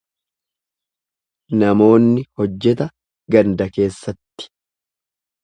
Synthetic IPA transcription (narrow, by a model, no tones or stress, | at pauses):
nɐmo̞ːnːɪhɔd͡ʒːɛt̪ɐ | ɡɐnd̪ɐke̞ːsːɐt̪ːɪ̥